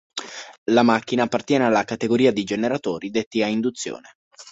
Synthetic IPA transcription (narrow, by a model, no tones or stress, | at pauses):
lamak̟ːinaːpːart̪jɛːnealːakat̪eɡoɾiːad̪id͡ʒeneɾat̪oːɾid̪et̪ːiaind̪ut̪sːjo̰ːne